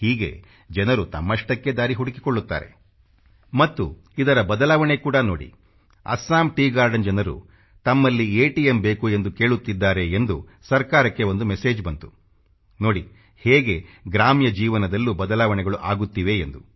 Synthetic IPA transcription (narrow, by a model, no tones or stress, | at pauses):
hiːɡe̞̰ | d͡ʒɐnɐɾut̪ɐmːɐʂʈɐkːed̪aːɾiɦuɽiki̥koɭːut̪ːa̰ːɾe̞̰ | mɐt̪ːu | id̪ɐɾɐbɐd̪ɐlaːʋɐɳekuːɽɐno̞ːɽḭ | ɐ̰saːmʈiːɡaːɾɖɐnd͡ʒɛnɐɾṵ | t̪ɐmːɐlːieːʈijembe̞ːkue̞nd̪uke̞ːɭut̪ːid̪ːaːɾe̞ːnd̪u | sɐɾkaːɾɐkːe̞o̞nd̪umese̞ːd͡ʒbɐnt̪u̥ | no̞ːɽi | heːɡe̞ɡɾaːmjɐd͡ʒiːʋɐnɐd̪ɐlːubɐd̪ɐlaːʋɐɳɛɡɐɭuʔaːɡut̪ːiʋe̞end̪u